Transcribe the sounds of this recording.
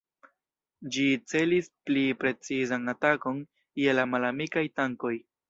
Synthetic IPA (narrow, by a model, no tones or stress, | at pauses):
d͡ʒit͡se̞lisplipɾe̞t͡sizanatako̞n | jelamalamikajtaŋko̞j